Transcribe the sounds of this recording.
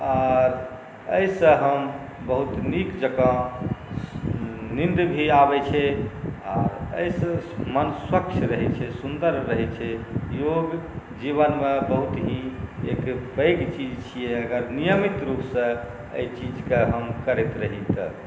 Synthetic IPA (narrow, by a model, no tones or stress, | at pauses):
aɾ | ə̰jsə̃ɦəm | bəɦut̪nikd͡ʒəkã | nind̪bʱiabɛt͡ʃʰɛa̰ɾə̰jsə̃mənswəkt͡ʃʰɾəɦɛt͡ʃʰɛsund̪əɾːəɦɛt͡ʃʰɛjoɡd͡ʒibənmẽbəɦut̪ɦĩḛkbəjɡt͡ʃid͡ʒt͡ʃʰijɛəɡəɾnijəmit̪ɾupsə̃ | ə̰jt͡ʃid͡ʒkeɦəmkəɾɛt̪ɾəɦit̪ə̰